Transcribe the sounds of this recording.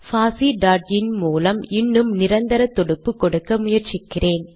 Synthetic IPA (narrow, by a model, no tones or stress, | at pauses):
faːsiɖaːɾɖɪnmuːlɐmɪnːɯmnɪɾɐnd̪ɐɾɐt̪ːɔɽɯpːɯkːɔɽɯkːɐmʊjɐɾt͡ʃɪkːɪrʔeːn